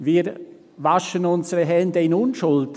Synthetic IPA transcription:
viːɾ | vaʃənʊnsəɾəɦɛndəɪnʊnʃʊlt

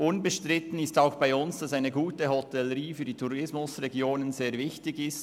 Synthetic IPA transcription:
ʔʊnbəʃtʁɪtən̩ɪstaʊxb̥aɪʊnsd̥ɑsaɪnəɡuːtəhɔtɛləɾiːfyːd̥iːtʰuɾɪsmʊsrɛɡjoːnənzeːɐvɪçtɪɡɪst

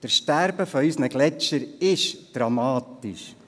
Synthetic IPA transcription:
d̥əɾʃtæɾbəfɔysnəɡlɛt͡ʃəɾɪʃd̥ɾɑmɑːt̪iʃ

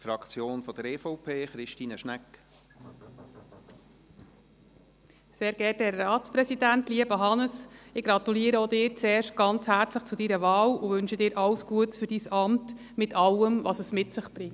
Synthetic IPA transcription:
fɾɑkt͡sjoːnfɔd̥əɾeːfɔʊpʰeːχɾɪʃtiːnəʃnɛk | seːɾɡ̥ɛtɛɾːɑːtt͡spɾɛsidæntliːəb̥əɦɑnəsɪɡ̥ɾɑt̪uliːəɾəodɪːɾt͡seːɾʃt̚ɡ̥ɑnt͡shæɾt͡sləχt͡sʊdiɾəvɑːluʋʏnʃədɪːɾʔɑwsɡ̥uətfʏɾd̥isɑmt | mɪtʰɑwəmvɑsəsmɪtsɪχb̥ɾɪŋt

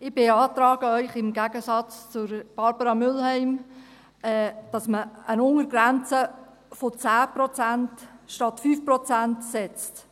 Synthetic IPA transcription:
ɪb̥eɑːt̪ɾɑːɡəœʏχɪmɡæɡəsɑt͡st͡sʊɾb̥ɑɾbəɾɑmʏlhɛɪm | ɛd̥ɑsməənʊŋəɾɡɾænt͡sə | fot͡sæːpɾɔt͡sæntʃtɑtfyːfprɔt͡sæntsɛt͡st

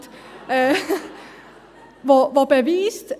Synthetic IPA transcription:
t̪ | vɑvɑbɛviːst̪

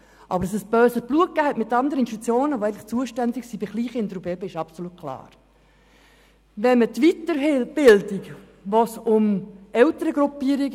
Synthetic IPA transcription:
ʔɑ̰bəɾəsɛsb̥øːsəsb̥luək̚ːæːhɛtmɪtːɑndəɾəninʃtut͡sjoːnəʋoæɪŋtlɪχt͡suəʃtændɪksibiɡ̥liːχɪndɾubeːbəɪʃɑpsolut̚kʰlɑ̰ːɾ | ʋɛnmətʋit̪ːəb̥ɪldik | ʋosʊmɛltəɾəɡɾupiːəɾiɡ

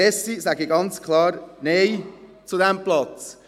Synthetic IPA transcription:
ɛsisæɡəɡɑnt͡skʰlɑːɾneɪ | t͡sudɛmplɑt͡s

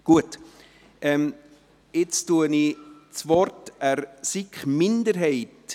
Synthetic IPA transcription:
ɡ̥uət | ʔɛm | ɪt͡stuənit͡svɔɾtæɾsikmɪndəɾɦɛɪt

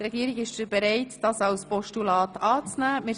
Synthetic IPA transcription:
trɛɡ̥iəɾɪɡɪʃdəb̥ɛɾɛɪtd̥ɑsɑwspɔʃtulɑːtɑːt͡snæːmɪ

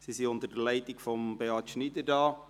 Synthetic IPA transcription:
sisiʊntədəlɛɪtikfɔmb̥eɑtʃnidədɑː

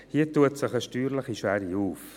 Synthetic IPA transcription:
hiətuətsɪχəʃtyːɾləχiʃʋæɾiuːf

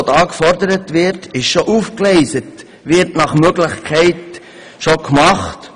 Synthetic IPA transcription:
tɑːkfɔɾdəɾətvʋɪɾtɪʃʃoʔuːfklɛɪsət | ʋɪɾtnɑχmøɡlɪχkʰɛɪt | ʃokmɑχt

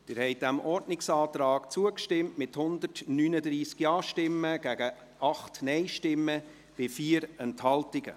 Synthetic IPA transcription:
d̥ɪːɾhɛɪd̥æmʔɔɾdnɪksɑːtɾɑːkt͡suəkʃtɪmtmɪthʊnd̪ərtnyːnəd̪ɾiːskjɑːʃtɪmːəɡ̥æɡ̥ə | ɑχtnɛɪʃtɪmːə | b̥ɪfiːəɾɛnthɑltɪɡə̰

